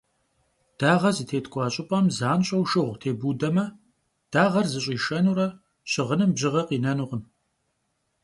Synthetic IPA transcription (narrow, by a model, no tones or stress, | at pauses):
d̥aːʁɐzɨtʰeːtkʷʼɑːɕʼɪpʼɐmzaːnɕʼɐwʃɨʁʷtʰeːbuːdɐmɐ | d̥aːʁɐrzɨɕʼiːʃɐnuɾɐ | ɕɪʁənɨmbʑɪʁɐqiːnɐnuʁəm